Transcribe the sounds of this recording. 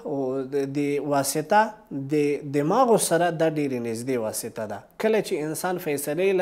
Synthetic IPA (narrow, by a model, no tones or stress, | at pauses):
d̪əwɑsɪt̪ad̪əd̪əmɑɣosaɾad̪aɖeɾenɪzd̪ewɑsɪt̪ad̪akəlat͡ʃeɪnsɑnfajsalel